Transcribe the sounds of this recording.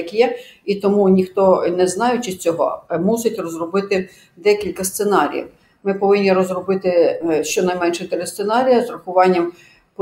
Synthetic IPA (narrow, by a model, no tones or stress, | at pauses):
ɐkjɛit̪ɔmunʲixt̪ɔnɛznɑjɛt͡ʃɪsʲt͡sʲɔɦɔ̰musɪtʲrɔzrɔbɪt̪ɪ | d̪ɛkʲilʲkɐst̪senɑɾʲḭjḭw | mɪpɔʋɪnʲːirɔzrɔbɪt̪ɪʃt͡ʃɔnɐjmɛnʃɛt̪ɪɾʲɪst̪senɑɾʲijɐzrɐxʊʋɑnʲːɐm | p